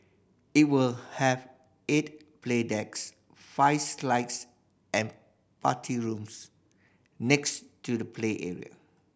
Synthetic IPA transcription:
it̚wilhɛv | et̚pʰledɛks | faɪslaɪts | ɛ̃n | patʰiɹũms | nɛkstudəpʰleʔɛ̰ɹḭə̰

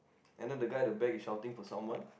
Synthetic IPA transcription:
ʔɛ̃ndɛ̃ndəɡaɪdəbɛkisʃaʊtɪ̃ŋfɔsãmwãn

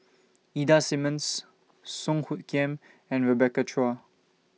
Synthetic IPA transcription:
idasimə̃nsː | ɔ̃ŋhut̚kɛ̃m | ɛ̃nɹəbɛkat͡ʃʰɹɔa

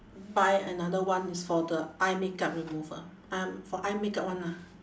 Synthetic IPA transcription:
bajənadəwãnisfɔdəʔajmekap̚ɹimuvə̰ | ãmfɔʔajmekaʔ̚wãna

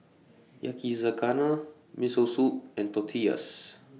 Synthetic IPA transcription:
ja̰kizakana | misosup̚ɛ̃nt̪ɔt̪ʰia̰s

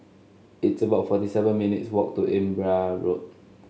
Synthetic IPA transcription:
itsəbaʊtfɔtisɛvə̃nminitswɔk̚tuʔɛ̃mbɹaɹot̚

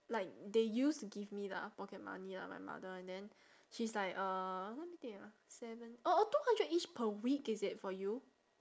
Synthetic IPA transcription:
laɪk̚dejustuɡivmila̰pɔkɛt̚ma̰nila̰ma̰jma̰dəɛ̃ndɛ̃n | ʃislaɪkəlɛt̚mit̪ĩŋa | sɛvə̃nʔotuhãndɹɛtit͡ʃpʰəwik̚ɪsɪt̚fɔju

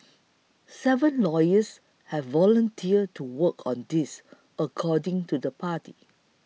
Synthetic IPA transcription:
sɛvə̃nlɔjəs | hɛvːɔlə̃ntʰiətʰuwəkʰɔ̃ndis | əkʰɔdɪ̃ŋtudəpʰati

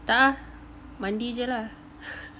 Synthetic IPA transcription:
t̪aʔa | mandid͡ʒəla

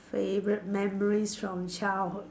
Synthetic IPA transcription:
feɪvɹɪʔ̚mɛməɹiz̥fɹə̃mt͡ʃʰalˠ

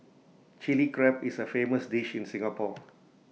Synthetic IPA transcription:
t͡ʃilikɹɛpɪsəfeːməsdiʃɪ̃nsɪ̃ŋapʰɔ

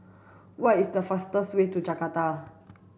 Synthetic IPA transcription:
wajɪsd̪əfast̪əswet̪ud͡ʒakat̪a

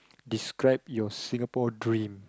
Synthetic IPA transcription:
diskɹaɪp̚jɔsĩŋapɔdɹĩm

